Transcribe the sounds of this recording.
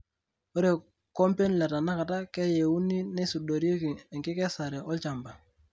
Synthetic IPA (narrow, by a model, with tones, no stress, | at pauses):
o˦ɾe˨ | ko˦mpe˦nla˨ta˨na˦ka˨ta˦kɛ˦je˨wu˦ni˦nɛ˦su˨do˨ɾi˦o˦ki˨ɛ˨ŋki˦kɛ˦sa˨ɾɛ˨ʔɔ˦lt͡ʃa˨mba˨